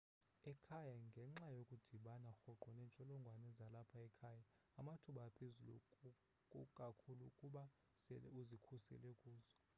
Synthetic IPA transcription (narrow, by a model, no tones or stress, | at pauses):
ɛkʰajaŋɡʱɛŋ͡ǁajokʼud̥ʱiɓanaxɔǃɔnɛːnt͡ʃʼɔlɔŋɡʱwanɛzalapʰaɛkʰaːjaː | matʰuɓaːpʰezulṵ | kʼukʼakʰulukʼuɓa | sɛlɛuzikʰusɛ̰lɛkʼuːzɔ